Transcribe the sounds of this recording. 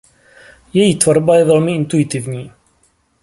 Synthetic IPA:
jɛjit̪vaɾˤbajɛðɔlmiɪnt̪uɪt̪ɪvɲiː

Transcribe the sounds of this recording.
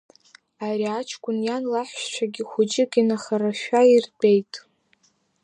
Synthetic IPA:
aɾiat͡ʃʰkʷʼʊnjanlaħʷt͡ʃʷʰaɡʲɪχʷʊd͡ʒʼɪɡʲʼinaχaɾaʃᶣairbʼejtʼ

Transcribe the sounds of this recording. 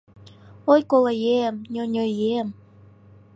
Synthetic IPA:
ojkolejemnʲonʲojem

